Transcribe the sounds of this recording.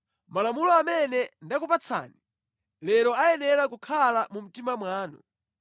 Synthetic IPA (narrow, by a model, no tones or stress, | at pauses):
malamulɔamɛnɛndakupat͡sʰa̰ːni | lɛɾɔajɛnɛɾakukʰalamum̩timamwaːnɔ̰